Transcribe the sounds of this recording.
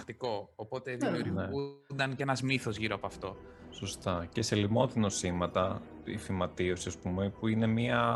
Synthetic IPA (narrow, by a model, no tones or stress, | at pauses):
t̪iko̞ːpo̞t̪eðimuɾneund̪ɐncenɐzmiθo̞zʝiɾoɐpoɐft̪o̞ | so̞st̪ɐce̞se̞limo̞t̪ino̞simɐt̪ɐ | ifimɐt̪io̞siɐspume̞puine̞miɐ